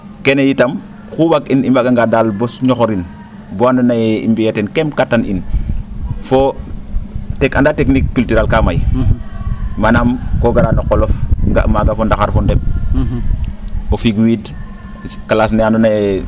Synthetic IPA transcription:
kenejitam | xuwakinimbaɡaŋɡadalbosɲɔxoɾin | boandonajḭmbietenkemkatːanʔḭn | fo | tekandaːteknikːyltyɾalkamaj | manamkoɡaɾanoqːolofŋɡa̰maɡafondaxaɾfondep̚ | ofiɡwid | kalaːs̬neandonaje

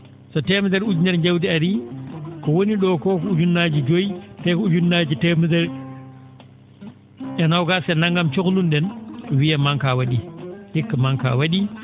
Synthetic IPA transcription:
sɔtɛmɛdɛɾud͡ʒunɛɾɲd͡ʒawdiaɾikɔwoniɗɔkɔkɔud͡ʒunːad͡ʒid͡ʒojtɛkɔud͡ʒunːad͡ʒitɛmdɛɾ | ɛnawɡasɛnaŋɡamt͡ʃoklunɗɛnwijamaŋkawaɗihikːamaŋka̰waɗi

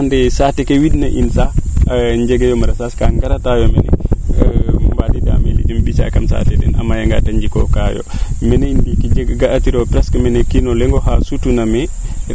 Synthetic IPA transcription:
andɛsatɛkewidnaʔinsaɲd͡ʒɛɡejɔmaɾasaskaŋɡaɾatajɔmɛnɛ̰ | mbadida̰mḛlḭdimbisa̰kamsa̰tɛdɛ̰na̰mːajaŋɡa̰taɲd͡ʒikɔ̰kajɔ̰mɛneindikid͡ʒɛɡɡaatiɾɔpɾɛskmɛnɛkinɔlɛŋɡɔhasutunamɛ

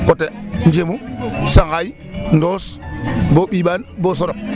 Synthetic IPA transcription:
kotend͡ʒemusaŋɡaj | ndoːsboɓiːɓanboːs̬oɾo

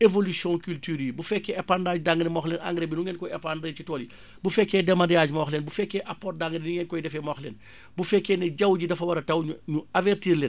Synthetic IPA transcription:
evolisjɔ̃kyltyːɾibufɛkːɛɛpandaːd͡ʒdaŋɡnɛmɔːxlɛna̰ŋɡɾebinuŋɛnkɔɛpandɾet͡ʃitɔːli | bufɛkːɛdɛmadɛjaːd͡ʒmɔːxlɛːnbufɛkːɛʔapɔːt̚daŋɡnnuŋɛnkɔjdɛfɛmɔːxlɛ̰n | bufɛkːɛnɛɟɐwɟidɐfɐwɐɾɐtɐwɲuɲuavertiːɾlɛːn

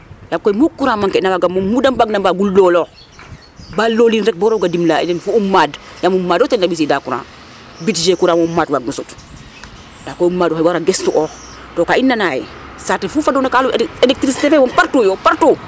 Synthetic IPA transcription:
jakɔjmukːuɾamaŋkɛnawaɡamɔmːudambaɡnabaːɡulːɔlɔːx | baːloːlinɾɛk̚bɔɾɔɡadimlaḭnɛnfuumːaːdjamumːaːdɔtɛnːabis̬idaːkuɾa̰ː | bitd͡ʒekuɾaːmumːaːdwaɡ̚nusut | d̥akɔjumːaːdɔxɛwaɾaɡɛstuʔɔːx | tɔːkainːanaːjɛ̰satɛfufadɔnakaluelɛk̚tɾisi̥tefɛmɔmpaɾtoːjɔpaɾtoː

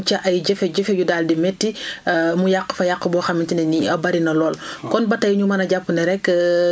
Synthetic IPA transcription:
t͡ʃɐʔɐjɟɛfɛɟɛfejudaːldimɛtːimujaqːə̥fɐjaqːəbɔːxɐmitinɛniɐbɐɾinɐlɔːlkɔnbɐtːɐjɲumɐnɐɟapːnɐɾɛkː

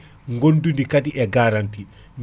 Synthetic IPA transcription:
ŋɡondundikadiʔɛɡaːɾanti | m

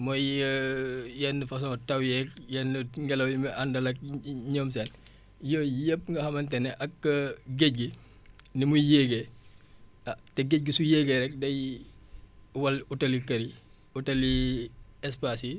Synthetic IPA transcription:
mɔjjəjɛnːəfɐs̬ɔ̃tɐwjɛkjɛnəŋɡɛlɐwjimɛʔɐndɐlɐk̚ɲɔːmsɛn | jɔːjɛp̚ːŋɡɐhɐmɐntɛnɛʔɐkːəɡec̚ɡi | nimujeːɡɛ | ɐtɛɡec̚ɡisujeːɡɛɾɛk̚dɐj | wɐlutɐlikɐɾi | utɐli | ɛspasi

